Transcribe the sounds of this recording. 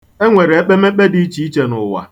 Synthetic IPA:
e˦ŋʷe˨ɾe˨e˦k͡pe˦me˦k͡pe˦di˦t͡ʃi˨˦i˦t͡ʃe˨nʊ̰˨wa̰˨

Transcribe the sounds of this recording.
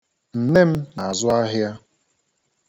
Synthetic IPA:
n̩˨ne˦m̩˦na˨a˨zʊ˦a˦ɦja˦

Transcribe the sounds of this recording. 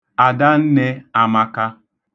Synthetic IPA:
a˨da˦n̩˦ne˦a˨ma˦ka˦

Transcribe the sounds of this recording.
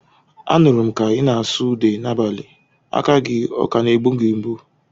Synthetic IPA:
a̰˦nʊ˨ɾʊ˨m̩˨ka˨ɣɪ˦na˨a˨su˦de˨na˦ba˨li˨ | a̰˦ka˦ɡɪ˦ɔ̰˨ka˨ne˨ɡ͡bu˦ŋ̩˦ɡi˨m̩˦bu˦

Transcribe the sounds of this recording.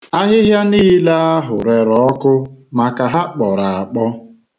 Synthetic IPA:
a˦ɦɪ˦ɦja˦niː˦la˦a˦ɦʊ˨ɾe˨ɾɔ˨ɔ˦kʊ˦ma˨ka˨ɦa˦k͡pɔ˨ɾa˨a˨k͡pɔ˦

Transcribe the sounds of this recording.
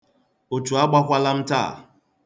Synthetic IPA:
o˨tu˨a˦ɡ͡ba˦kʷa˦la˦m̩˦ta̰˦˨

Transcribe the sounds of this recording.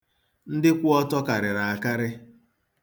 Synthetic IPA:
n̩˦dɪ˦kʷʊ˦ɔ˦tɔ˦ka˨ɾɪ˨ɾa˨a˨ka˦ɾɪ˦

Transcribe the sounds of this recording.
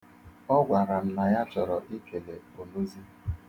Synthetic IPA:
ɔ˦ɡʷa˨ɾa˨m̩˨na˨ja˦t͡ʃɔ˨ɾɔ˨ʔi˦kʰe˨le˨o˨lu˦zi˦

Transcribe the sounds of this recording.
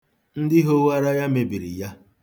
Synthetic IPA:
n̩˦dɪ˦ɦo˦wa˦ɾa˦ja˦me˨bi˨ɾḭ˨ja˦

